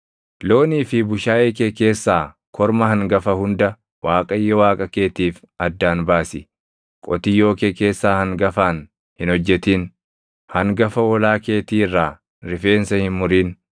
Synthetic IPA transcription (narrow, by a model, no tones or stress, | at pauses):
lo̞ːniːfɪbʊʃaːʔeːkeːke̞ːsːaː | kʰɔɾmɐhɐŋɡɐfɐhʊnd̪ɐ | waːkʼɐjːɔwaːkʼɐkeːt̪iːf | ɐd̪ːaːnbaːsɪ | kʼɔt̪ɪjo̞ːkeːke̞ːsːaːhɐŋɡɐfaːn | hɪnɔd͡ʒːɛt̪iːn | hɐŋɡɐfɐwɔlaːke̞ːt̪iːrːaː | ɾɪfe̞ːnsɐhɪnmʊɾiːn